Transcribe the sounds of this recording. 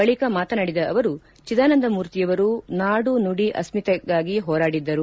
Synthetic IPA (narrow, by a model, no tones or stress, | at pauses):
bɐɭikɐmaːt̪ɐnɐɽid̪ɐʔɐʋɐɾu | t͡ʃid̪aːnɐnd̪ɐmuːɾt̪ijɐʋɐɾunaːɽunuɽiʔɐ̰smit̪ɐɡaːɡiɦɔːɾaːɽid̪ːɐɾu